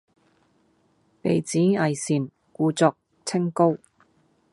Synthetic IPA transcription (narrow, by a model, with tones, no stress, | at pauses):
pe˨jt͡siː˨˥ɐ˨jsiː˨˩n | kuː˨˧t͡sɔː˧k̚ | t͡sʰɪ˥ŋko˥w